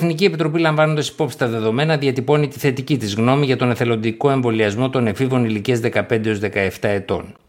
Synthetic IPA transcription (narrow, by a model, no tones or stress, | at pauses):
θnicie̞pit̪ɾo̞pilɐɱvɐnond̪ɐsi̥po̞psi̥st̪ɐðe̞ðo̞me̞nɐðiɐt̪ipo̞nit̪iθe̞t̪icit̪izɣno̞miʝɐt̪o̞neθe̞lo̞nd̪iko̞e̞ɱvo̞liɐzmo̞t̪o̞ne̞fivo̞niliciɐzðe̞kɐpe̞nd̪eo̞zðe̞kɐe̞ft̪ɐe̞t̪o̞̰n